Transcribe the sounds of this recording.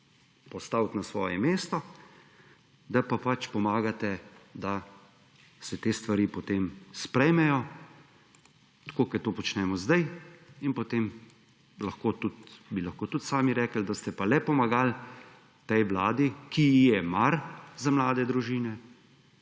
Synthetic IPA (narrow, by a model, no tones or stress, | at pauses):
pɔst̪awt̪nasʋɔːjɛmeːst̪ɔ | d̪apapat͡ʃpɔmaːɡat̪ɛd̪a | sɛt̪eːst̪ʋaɾiːpɔt̪eːmspɾɛjmɛjɔ | t̪koːkɛt̪oːpɔt͡ʃnɛːmɔzd̪ajinpɔt̪em | lɐxkoːt̪ut̪bilaxkoːt̪ut̪saːmiɾɛːkəld̪ast̪ɛpalɛpɔmaɡal | t̪ɛjʋlaːd̪ikiijɛmaɾzamlaːd̪ɛd̪ɾuʒiːnɛ